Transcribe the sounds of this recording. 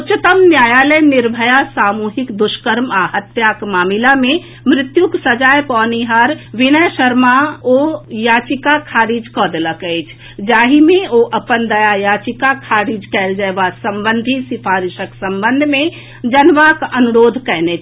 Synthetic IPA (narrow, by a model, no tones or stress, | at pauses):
ut͡ʃət̪əmnjaːjaləjnɪɾbʱəjasaːmuɦikd̪ʊʃkəɾmaɦət̪jakmaːmilamẽ | mɾɪt̪juksəd͡ʒaːjpɔːniɦəɾʋɪnəjʃəɾmaojaːt͡ʃikakʰaːɾid͡ʒkɔd̪eləkəɪt͡ʃʰ | d͡ʒaːɦimẽoʔəpənd̪əjajaːt͡ʃikakʰaːɾid͡ʒkɛːld͡ʒəebasəmbənd̪ʱisɪpʰaːɾɪʃəksəmbənd̪ʱmẽ | d͡ʒənʋakənuɾoːd̪ʱkɛɦnet͡ʃʰ